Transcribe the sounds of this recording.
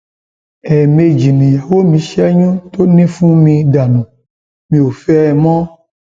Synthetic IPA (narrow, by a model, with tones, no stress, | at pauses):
ɛ˨me˨d͡ʒi˨nĩ˨ja˨wo˦mĩ˨˦ʃɛ˦ɲũ˦t̪o˦nĩ˦fũ˦mĩ˧ɖa˨nũ˨ | mĩ˨wo˨fɛ˦˨mɔ̃˦